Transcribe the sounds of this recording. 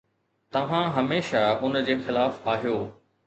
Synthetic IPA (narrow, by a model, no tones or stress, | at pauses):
t̪ɐʋ̤ãɦɐmeːʃaʊnd͡ʑeːxɪlaːfaːɦijoː